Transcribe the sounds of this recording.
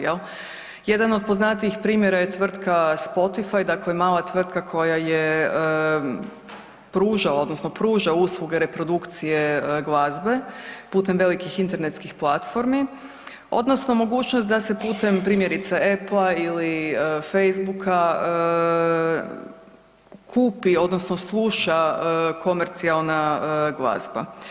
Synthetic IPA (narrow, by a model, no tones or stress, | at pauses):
jel | je̞d̪ano̞d̪̚po̞znat̪iixpɾiːmjeɾajet̪ʋr̩t̪kaspo̞t̪ifajd̪aklemaːlˠat̪ʋr̩t̪̚kakʰo̞jajeə | pɾuːʒao̞d̪nosnopɾuːʒauslˠuɡeɾe̞pɾo̞d̪ukt̪sije̞ɡlˠazbe̞puːt̪e̞mʋe̞likixint̪e̞ɾnet̪skixplˠat̪fo̞ɾmi | o̞̰d̪nosno̞mo̞ɡuːt͡ʃnost̪d̪ase̞puːt̪e̞mpɾiːmje̞ɾit̪saeplˠailiəfejzbukʰaə | kʰuːpio̞d̪nosno̞slˠuːʃaəkʰo̞meɾt̪sialˠnaɡlˠa̰zba̰